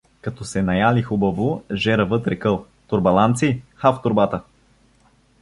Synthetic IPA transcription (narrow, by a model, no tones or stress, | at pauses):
kɐt̪ɔsɛnɐjalixubɐvoʒɛɾəvɤt̪ɾɛkɤlˠ | t̪ʊɾbɐlˠant̪sixaft̪ʊɾbat̪ə